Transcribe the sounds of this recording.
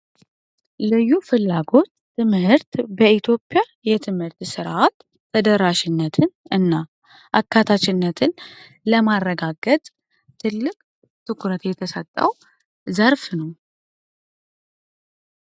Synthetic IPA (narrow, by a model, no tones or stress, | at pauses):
lɨjːufɨlːaɡo̞t̪ːɨmhɨɾt̪bəit̪ʰjo̞pʼːja | jɛt̪ʰɨmhɨɾt̪sɨɾat̪ʰː | əd̪əɾaʃɪnːət̪ʰɨnɨnːa | ʔakʰːat̪ʰat͡ʃɪnːət̪ʰɨn | ləmaɾːəɡaɡət̪ʼ | t̪ʰːɨlːɨkʼ | t̪ʰɨkʰuɾət̪jɛt̪ʰəsət̪ʼːə̰w | zəɾfnəw